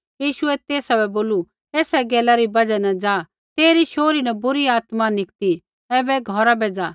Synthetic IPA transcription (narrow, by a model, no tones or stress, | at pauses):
jiːʃʊɛt̪eːsabɛboːlu | eːsɛɡɛːlaɾibɐd͡ʒɛnɛd͡ʒaː | t̪eːɾiʃoːɾinɐbʊɾiaːt̪manɪkt̪i | ɛːbɛɡʱɔɾabeːd͡za